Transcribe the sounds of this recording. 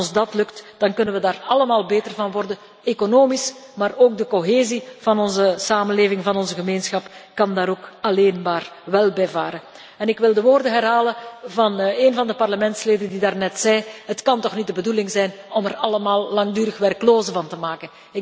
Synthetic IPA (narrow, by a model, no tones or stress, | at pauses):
zdɑtlɵktd̥ɑnkɵnənʋədaːrɑləmaːlˠbeːtərvɑnʋɔrdən | ekonoːmismaːroːɡ̚dəkoɦeːziv̥ɑnɔnzəsaːmənleːvɪŋvɑnɔnzəɣəmeːnsxɑpkɑndaːɾoːkɑleːnmaːrʋɛlˠbɛjvaːɾən | ɛnɪkʋɪlˠdəʋoːrdəɦɛrɦaːləvɑneːnvɑndəpɑrləmɛntsleːdəndidaːrnɛtsɛjɦətkɑntɔxnit̚dəbədulɪŋzɛjnɔmɛrɑləmaːlˠlɑŋdyːɾəxʋɛrkloːzəvɑntəmaːkən | ɪ